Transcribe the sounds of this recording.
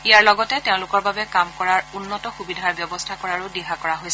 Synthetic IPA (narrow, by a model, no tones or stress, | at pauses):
iaɹlɔɡɔtɛteʊ̃lʊkɔɹbabɛkamkɔɹaɹunːɔtɔxubidʱaɹbjɔbɔstʰakɔɹaɹʊdiɦakɔɹaɦojs